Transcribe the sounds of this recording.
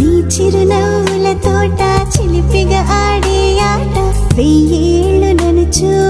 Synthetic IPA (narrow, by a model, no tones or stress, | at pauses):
niːt͡ʃiɾunɐ | ulɐt̪oːʈat͡ʃilipiɡɐʔaːɽe | jaːʈɐ | ʋejeːɭunɐnut͡ʃu